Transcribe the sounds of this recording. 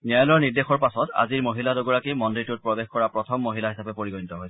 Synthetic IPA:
niajlɔɹniɹdexɔɹpasɔta̰ziɹmoɦiladoɡɔɹakimɔnditut̚pɹɔbexkɔɹapɹɔtʰɔmːoɦilaɦisapɛpoɹiɡɔjnitɔɦojsɛ

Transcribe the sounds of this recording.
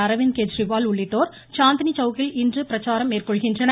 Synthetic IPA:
ɐɾɐʋɪnked͡ʒrɪʋaːlʊɭːɪʈːoːɾ | t͡ʃaːnd̪nit͡ʃɐʋɣɪlɪndrɯpɪɾɐt͡ʃːaːɾɐmeːrkɔɭɣɪndrɐnɐ

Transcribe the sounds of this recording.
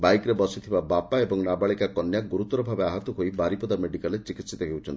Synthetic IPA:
bajkɾebɔsit̪ʰibabapaebɔŋnabaɭikakɔnjaɡuɾut̪ɔɾɔbʱabeaɦat̪ɔɦoibaɾipɔd̪ameɖikalet͡ʃikit̪sit̪ɔɦewt͡ʃʰɔni

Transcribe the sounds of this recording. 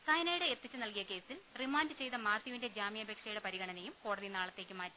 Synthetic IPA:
sɐjnɐjuɽeert̪ːit͡ɕːunɐlkijɐke̞ːsilrimaːndɨt͡ɕe̞jt̪ɐmaːrt̪iʋinde̞d͡ʑaːmijɐbʱeːkʂɐjuɽepɐɾiɣɐɳɐnejumko̞ːɽɐðinaːɭɐt̪ːeːkʲːumaːtːu̥

